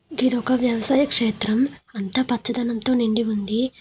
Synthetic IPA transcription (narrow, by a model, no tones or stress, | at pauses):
ɡid̪ɔkɐʋjɐʋɐsaːjɐkʂeːt̪ɾɐmɐnt̪ɐpɐtːt͡ʃːɐd̪ɐnɐnt̪o̞ːniɳɖiund̪i